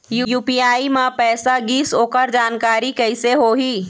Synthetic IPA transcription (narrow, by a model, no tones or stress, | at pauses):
jujuːpiːaːimãpɛːsaɡiːsoːkəɾd͡ʒaːnkaːɾikəɪseɦoɦiː